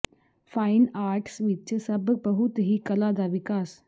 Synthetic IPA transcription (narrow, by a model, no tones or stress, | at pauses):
faːɪnaːɾʈsʋɪt͡ʃsɐbbəɦʊt̪ɦikɐlad̪aʋɪkaːs